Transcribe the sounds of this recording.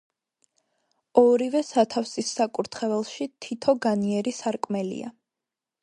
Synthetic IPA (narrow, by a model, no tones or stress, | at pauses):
ɔɾivɛsat̪ʰafsisːakʼuɾt̪ʰχɛvɛlˠʃit̪ʰit̪ʰɔɡaniɛɾisaɾkʼmɛlḭa̰